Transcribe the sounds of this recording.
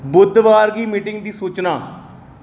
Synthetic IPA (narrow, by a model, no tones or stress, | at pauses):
bʊd̪ʋaːɾɡiːmiːʈɪŋɡd̪iːsuːt͡ʃnaː